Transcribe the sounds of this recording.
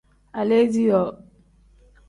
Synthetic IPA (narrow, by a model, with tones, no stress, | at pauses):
a˨le˦d͡ʒi˦jɔ˨